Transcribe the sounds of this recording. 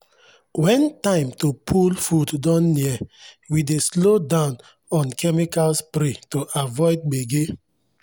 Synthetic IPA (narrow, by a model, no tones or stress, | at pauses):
wɛ̃ntãɪ̃mtopʰulfuddɔ̃nːiɛwideslodãʊ̃n | ɔ̃nkʰɛmikalspɾetoʔavɔɪd̚ɡ͡beɡe